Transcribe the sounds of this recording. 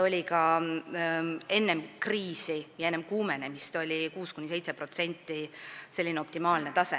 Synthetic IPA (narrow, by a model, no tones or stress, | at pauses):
o̞lʲikɑ | e̞nːemkriːsijɑenːemkuːmenemist̪o̞lʲikuːskunʲːise̞jt̪sepro̞t̪se̞nʲt̪ˑːise̞lːineo̞p̚t̪imɑːlne̞t̪ɑse